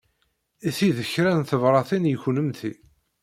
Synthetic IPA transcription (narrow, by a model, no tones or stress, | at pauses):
iθiðəçɾænθəvɾˤɑθinjəçnəmθi